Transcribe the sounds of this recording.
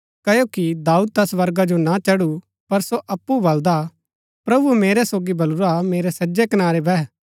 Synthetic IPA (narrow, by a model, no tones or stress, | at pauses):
kɐjokid̪aːuːd̪̚t̪ɐsʋɐɾɡad͡ʒonat͡ʃɐɽu | pɐɾsoʔɐpːubɐld̪a | pɾɐbumeːɾesoːɡibɐluɾameːɾesɐd͡ʒekɐnaːɾebʱɛː